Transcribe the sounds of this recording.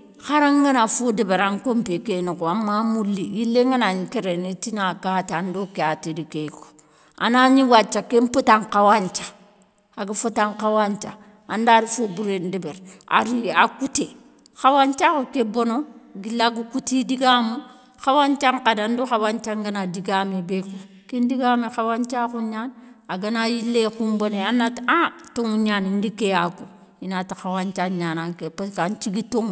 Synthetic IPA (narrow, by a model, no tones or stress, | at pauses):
xaɾaŋɡanafodibeɾaŋkompekenukoamːamulːijilːeŋɡanaɲikeɾenitinakatandokeatidikeko̥ | a̰naɲiwat͡ʃːakemputaŋkawaɲt͡ʃḁ | aɡifotaŋkawant͡ʃa̰ | andaɾifobuɾendibeɾa̰ɾiakute | xawant͡ʃakukebonoɡilaɡukutidiɡamu | xawant͡ʃaŋkadanduxawant͡ʃaŋɡanadiɡamebeku | kendiɡamexawant͡ʃakuɲanaɡanajilːekumboneanːatatoŋuɲanindikejaku | inatixawant͡ʃaɲanakepaskant͡ʃiɡitoŋ